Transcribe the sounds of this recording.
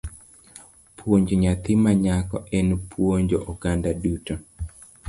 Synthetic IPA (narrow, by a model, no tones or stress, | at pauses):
pʰwoɲd͡ʒoɲat̪ɪmaɲakɔ̰ʔɛnpʰwoɲd͡ʒoʔɔɡandaduto